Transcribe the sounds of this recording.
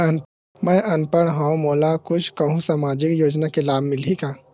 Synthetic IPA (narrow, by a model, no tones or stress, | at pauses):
mɛ̃ːʔɐnpəɽ̃ɦãmoːlakʊt͡ʃʰkɐɦũsaːmaːd͡ʒɪkjoːd͡ʒnakelaːbʱmɪlɦikaː